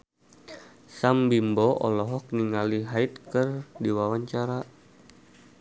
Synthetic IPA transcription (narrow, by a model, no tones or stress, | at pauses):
sambimbɔʔɔ̰lɔɦɔk̚niŋaliɦait̪̚kɨrdiwawaɲt͡ʃaɾa